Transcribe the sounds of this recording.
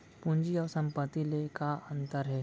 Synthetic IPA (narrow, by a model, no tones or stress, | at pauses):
pʊ̃ɲd͡ʒiɔːɾsɐ̃mpət̪ːilekaə̃nt̪əɾɦɛː